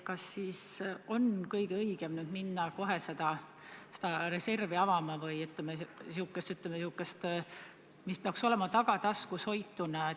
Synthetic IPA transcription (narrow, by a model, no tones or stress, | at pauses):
kɑsːiːso̞nkɤjɡ̥ɤjɡ̥e̞mnyːd̪minːɑko̞ɦe̞se̞d̪̥ɑ | se̥d̪̥ɑɾe̞se̞rviɑvɑmɑvɯjyt̪lemesiukːˑest̪yt̪ːˑlemesiukːˑest̪ | mispeɑkso̞le̞mɑt̪ɑɡ̥ɑt̪ɑskusho̞jt̪ːˑunɑ